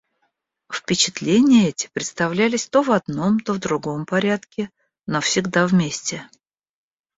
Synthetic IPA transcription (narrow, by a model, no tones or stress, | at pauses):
fpʲɪt͡ɕɪt̪lʲenʲɪjəɛtʲɪ̥pɾʲɪt̪st̪ɐvlʲælʲɪsʲt̪o̞vɐd̪no̞mt̪ovd̪ɾʊɡo̞mpɐɾʲat̪kʲɪ | nofsʲɪɡd̪avmʲesʲtʲɪ